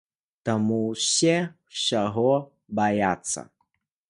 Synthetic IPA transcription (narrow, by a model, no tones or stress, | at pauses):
t̪amuwsʲɛwsʲaɣɔ | bajat̪sːɐ̰